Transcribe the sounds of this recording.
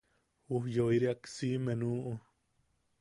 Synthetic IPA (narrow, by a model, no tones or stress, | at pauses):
wuhjoiɾiaksimenuːʔu